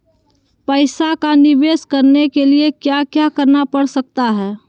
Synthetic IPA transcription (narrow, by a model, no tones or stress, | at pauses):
pəɪsakanɪʋeːskəɾnekeliekjakjakəɾnapəɽsək̚t̪aɦɛː